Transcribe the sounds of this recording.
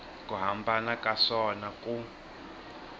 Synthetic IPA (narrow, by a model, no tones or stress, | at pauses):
kʼuɦambʱanakasɔnakʼu